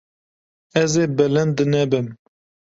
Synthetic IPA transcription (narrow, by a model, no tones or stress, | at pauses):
ɛzeːbɛlɛnd̪ɨnɛbɨm